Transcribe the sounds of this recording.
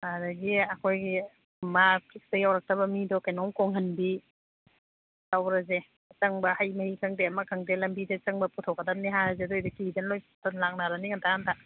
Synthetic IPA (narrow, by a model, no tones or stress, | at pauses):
adɐɡiɐkʰojɡi | mapʰik̚stɐjawɾak̚tɐbɐmidɔkajnɔŋkɔŋɦɐnbi | lawɾɐze | t͡ʃɐŋbɐhajmɐhikʰaŋdeɐmakʰaŋdelɐmbidet͡ʃɐŋbɐputʰɔkːadamniɦaɾɐzedojdɐkizanlojtʰɔnlak̚naɾaniŋantʰahantʰa